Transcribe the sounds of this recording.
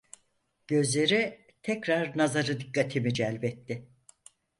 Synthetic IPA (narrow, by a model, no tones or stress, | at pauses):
ɟ̥ø̞zlʲe̞ɾi | t̪ʰɛcɾaɾnazaɾɯd̪ikːat̪ʰimid͡ʒælʲbɛt̪ːɪ